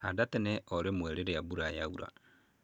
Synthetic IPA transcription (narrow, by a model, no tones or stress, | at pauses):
hadatɛnɛɔɾemwɛɾeɾeabuɾajauɾa̰